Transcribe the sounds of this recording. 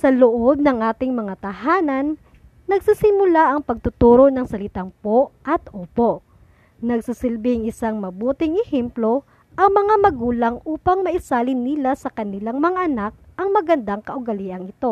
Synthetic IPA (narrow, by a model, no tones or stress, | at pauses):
sɐloʔob̚nɐŋʔaːt̪ɪŋmɐŋat̪ɐhaːnɐnː | ɐɡsisɪmʊlaʔɐŋpɐɡ̚t̪ʊt̪uːɾo̞nɐŋsɐlɪt̪aŋpoʔʔɐt̪ʔoːpo̞ | nɐɡsisɪlbɪŋɪsaŋmɐbuːt̪ɪŋɛhɛmplo̞ | ʔɐŋmɐŋamɐɡuːlɐŋʔuːpɐŋmɐʔɪsaːlɪnːɪlasɐkɐnɪlaŋmɐŋaʔɐnak̚ʔɐŋmɐɡɐnd̪aŋkɐʔʊɡɐliʔɐŋɪt̪o̞